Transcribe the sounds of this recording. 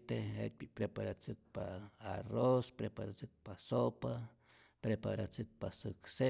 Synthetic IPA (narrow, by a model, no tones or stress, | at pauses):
t̪eḛt̪̚bipɾepaɾat͡sɨk̚paːrospɾepaɾat͡sɨk̚pasopa | pɾepa̰ɾat͡sɨk̚pasɨkse